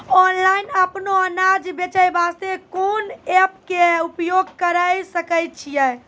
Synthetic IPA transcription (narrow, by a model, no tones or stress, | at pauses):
ɔnlainəpnoənad͡ʒbet͡ʃəjbast̪ekonɛp̚keupjoɡkəɾəjsəkəjt̪̚t͡ʃʰijɛ